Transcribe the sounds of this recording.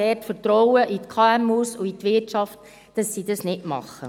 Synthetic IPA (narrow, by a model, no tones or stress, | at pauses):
ɛːtfəɾtɾɔwəʔit̪kʰɑæmusuit̪ʋɪɾtt͡ʃɑft | d̥ɑsːid̥ɑsnɪtmɑ̰χːə